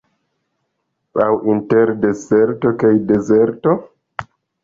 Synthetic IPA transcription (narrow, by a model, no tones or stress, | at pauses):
awʔinteɾdezeɾto̞kajde̞zeɾto̞